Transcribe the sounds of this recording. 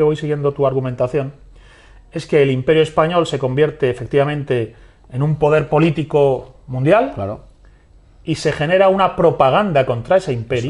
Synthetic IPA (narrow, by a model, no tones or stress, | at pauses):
eo̞jsiɣje̞nd̪o̞t̪uaɾɣumẽ̞nt̪aθjo̞n | e̞ske̞ːlimpe̞ɾjoe̞spaɲo̞lse̞ko̞mbje̞ɾt̪e̞ːfe̞k̚t̪iβamẽnt̪e̞ː | numpo̞ð̞e̞ɾpo̞lit̪iko̞mũnd̪jal | ise̞χe̞ne̞ɾaunapɾo̞paɣ̞and̪ako̞nt̪ɾae̞seimpe̞ɾj